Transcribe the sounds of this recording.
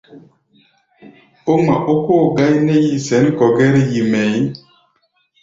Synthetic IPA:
o˦ŋ͡ma˨ʔo˦ko˦˨ɡa˦jne˦ji˨sɛ˨˦n˦kɔ˨ɡɛ˦ɾji˨mɛ˨j

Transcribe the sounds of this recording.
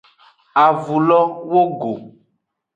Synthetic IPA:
a˨vu˨lɔ˦wo˦ɡo˨

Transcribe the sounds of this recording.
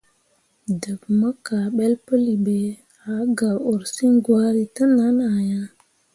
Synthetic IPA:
də˨bmə˦ka˨ɓe˦lpə˦li˨be˨ | a˨˦ɡa˨o˨ɾsi˦ŋɡwa˦ɾi˦tə˦na˦na˨ja˦

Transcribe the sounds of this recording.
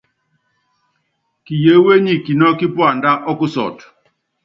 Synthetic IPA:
ki˨je˨˦we˦ɲi˨ki˨nɔ˦ki˦pwa˨nda˦ʔɔ˦ku˦sɔ̰˨t

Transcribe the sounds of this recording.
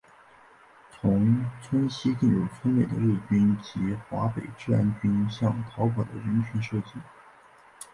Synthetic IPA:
t͡sʰʊ˧˥ŋt͡sʰwə˥nɕi˥k̪ə˥˩ŋjo˨˩ʊfə˥nle˨˩ɪd̪ə̰˦ɻu˥˩t͡ɕy˥nt͡ɕi˧˥xwa˧˥pe˨˩ɪʈ͡ʂɻ̩˥a˧˥nt͡ɕy˥nɕjɑ˥˩ŋt̪ʰɑ˧˥ʊpɑ˨˩d̪ə̰˦ɻə˧˥nt͡ɕʰy˧˥nʂɤ˥˧t͡ɕi˥˩

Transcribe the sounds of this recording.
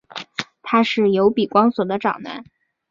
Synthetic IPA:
t̪ʰa˥ʂɻ̩˥˩jo˧˥ʊpi˨˩kwɑ˥ŋswɔ˨˩d̪ə˦ʈ͡ʂɑ˨˩ŋna̰˧˥n

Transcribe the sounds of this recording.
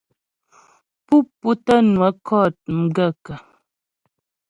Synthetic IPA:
pu˦pːu˦tə˦nwə˨˦kʰɔ˦˨t̚m̩˨˦ɡə˦˨kə˨

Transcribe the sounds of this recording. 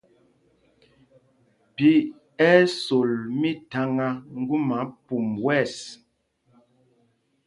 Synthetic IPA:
pi˦ | ɛ˦so˨lmi˦ta˨˦ŋa˦ŋ̩˦ɡu˦ma˨˦pu˨mwɛ˦˨s

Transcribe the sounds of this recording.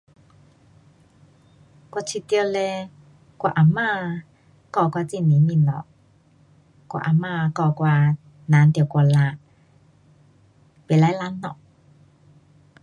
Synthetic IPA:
kwa˧˨t͡sʰi˧˨t̪i˧ə˧le˧ | kwa̰˧˨ʔa˨˩ma˧˨ | kɔ˧˨kwa˧t͡si˧˨ni˨˦mi˧˨nɔ̰˨ʔ | kwa̰˧ʔa˨ma˧˨kɔ˧˨kwaː˧ | na˨˦nt̪i˧˨ka˧la˧˩ | pe˨la˧˦jla˧˥nːɔ̰˧˨ʔ

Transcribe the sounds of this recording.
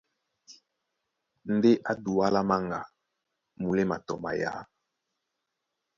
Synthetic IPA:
n̩˦de˦ʔa˦du˨wa˦la˦ma˦ŋɡa˨ | mu˨le˦ma˨tɔ˨ma̰˨ja̰˨˦

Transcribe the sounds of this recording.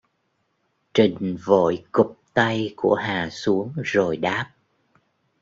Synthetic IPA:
t͡ɕï˨˩ŋ̟vo̰˧˨jkʊ˨˩k͡p̚t̪a˧jku˧˩əɦaː˨˩su˨˦əŋzo˨˩jɗaː˦˥p̚

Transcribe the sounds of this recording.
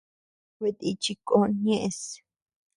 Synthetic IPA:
we˧t̪ʼit͡ʃi˧kʼo˦njẽʔes

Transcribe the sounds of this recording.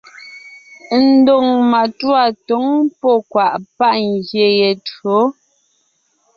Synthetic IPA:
n̩˦do˨ŋma˨twa˨to˨˦ŋpɔ˦˨kwa˨ʔpa˦ʔŋɡje˨je˨to˨˦

